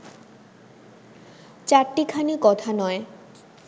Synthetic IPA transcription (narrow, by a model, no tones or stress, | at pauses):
t͡ɕaɾʈikʰanikɔt̪ʰanɔe